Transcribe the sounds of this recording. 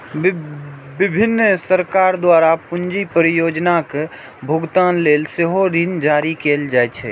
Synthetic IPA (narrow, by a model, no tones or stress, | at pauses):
bɪbʱɪnːsəɾkaːɾd̪waːɾapʊnd͡ʒipɾjoːd͡ʒnak | bʱʊɡt̪aːnleːlsɪɦoɾind͡ʒaːɾikeːld͡ʒaːɛt͡ʃʰɛ